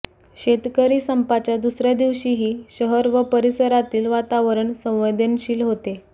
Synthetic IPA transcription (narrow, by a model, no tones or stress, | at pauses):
ɕet̪kəɾiːsəmpat͡ɕjad̪usɾjad̪iʋɕiːɦiːɕəɦəɾʋəpəɾisəɾat̪iːlʋat̪aʋəɾəɳsə̃w̃ʋed̪ʱənɕiːlɦot̪e